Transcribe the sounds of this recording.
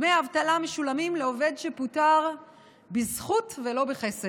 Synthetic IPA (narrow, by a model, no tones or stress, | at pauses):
mejaavt̪alameʃulamimleo̞ve̞dʃeputaʁ | bizχutvelo̞beχese